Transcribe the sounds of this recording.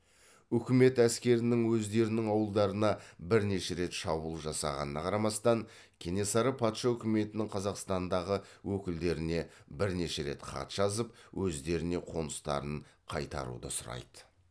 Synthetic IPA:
ɵkʲɪme̞t̪æskʲe̞ɾɪnɪŋwɵzd̪e̞ɾɪnɪŋɑwəlˠd̪ɑɾənɑbɪɾne̞ʃe̞ɾe̞t̪ʃɑbulˠʒɑsɑ̰ʁɑnənɑqʰɑɾɑmɑst̪ɑŋ | kʲʰe̞ne̞sɑɾəpʰɑt̪ʃɑɵkʲɪme̞t̪ɪnɪŋqʰɑzɑqst̪ɑnd̪ɑʁəwɵkʲɪld̪e̞ɾɪne̞bɪɾne̞ʃe̞ɾe̞̰t̪qʰɑ̰t̪ʒ̥ɑzəp̚wʔɵzd̪e̞ɾɪne̞qʰo̞nəst̪ɑ̰ɾəɴqʰɑjt̪ɑ̰ɾṵd̪ə̰sʊɾɑ̰jd̪ə̥

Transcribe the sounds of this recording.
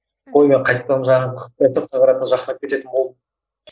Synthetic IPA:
qʰojmeɴqʰɑjt̪̚p̪ːɑʒɑəet̪əq̚t̪ʰɑʁɑɾɑt̪ənəʒɑqnɑpkʲʰe̞t̪e̞t̪ɪnbo̞lˠə

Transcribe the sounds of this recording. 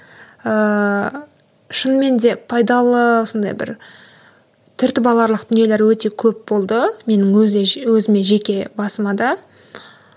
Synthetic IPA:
ə | ʃənme̞nd̪e̞pʰɑjd̪ɑlˠəwosənd̪ɑ̰jbɪ̰ɾ | t̪ʰʏɾt̪ɪbɑlˠɑɾlˠəqd̪̥ʏnije̞le̞ɾwɵt̪e̞kʲʰɵp̚bo̞lˠd̪əme̞nɪŋzewɵzɪme̞ʒe̞kʲe̞bɑsəmɑd̪ɑ

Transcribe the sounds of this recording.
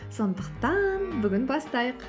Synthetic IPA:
so̞nd̪əqt̪ɑnbʏɡʲɪnbɑst̪ɑjəq

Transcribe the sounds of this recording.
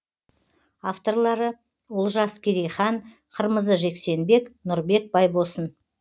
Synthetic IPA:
aft̪o̞rlˠɑɾə | wolˠʒɑskʲʰeɾejχɑn | qʰəɾməzəʒe̞kse̞nbe̞knʊɾbe̞k̚bɑjbo̞sən

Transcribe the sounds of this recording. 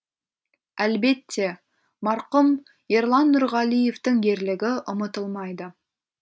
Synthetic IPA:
ælbe̞t̪ʰːe̞ | mɑɾqʊm | jeɾlˠɑnːʊɾʁɑlije̞ft̪əŋɡʲe̞ɾlɪɡʲɪʔʊmət̪əlˠmɑjd̪ə

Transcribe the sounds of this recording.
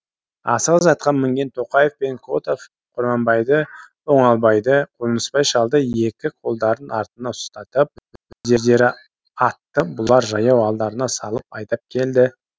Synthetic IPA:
ɑ̰səʁəzɑt̪̚qʰɑnmɪŋɡʲe̞nt̪ʰo̞qɑje̞fpe̞ŋkʰot̪of | qʰʊɾmɑmbɑjd̪ə | o̞ɴɑlˠbɑjd̪əqʰolənəspɑjʃɑlˠd̪əje̞kʲɪqʰo̞lˠd̪ɑɾənɑɾt̪ənɑt̪ʰʊ̥st̪ɑt̪əp̚b̥ɪb̥ɪzd̪e̞zd̪e̞ɾɪ | ɑt̪ːəbʊlˠɑɾʒɑjɑwɑlˠd̪ɑɾənɑsɑlˠəpɑjt̪ɑp̚kʲʰe̞ld̪ɪ

